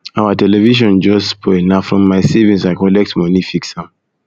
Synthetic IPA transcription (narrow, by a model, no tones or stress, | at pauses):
awatɛlɛviʃ̬ɔ̃nd͡ʒɔspʰɔnafɹɔ̃mːaɪsivĩnsaɪkɔlɛk̚tmɔnifiksãm